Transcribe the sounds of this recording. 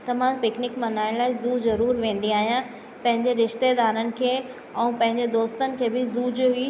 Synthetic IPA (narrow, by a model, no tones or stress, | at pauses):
t̪ɐʋ̤ãpɪknɪkmɐnaːɪɽ̃laːɦɪzuːzɐɾuːɾʋẽːn̆d̪iaːɦijã | pɐ̃ɦɪ̃ɲd͡ʑeɾɪʃt̪ed̪aːɾənɪ̆kʰeː | ɛ̃ũpɐ̃ɦɪ̃ɲd͡ʑed̪oːst̪ənɪ̆kʰeːbɪzuːd͡ʑɦi